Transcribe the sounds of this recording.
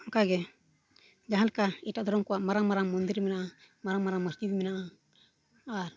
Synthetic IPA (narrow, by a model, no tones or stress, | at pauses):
ɔkaɡɛ | d͡ʒaɦalkaitad̪ɔɾɔmkɔaʔmaɾaŋmaɾaŋmɔnd̪iɾmɛnaʔa | maɾaŋmaɾaŋmasd͡ʒibimɛnaʔa | aɾ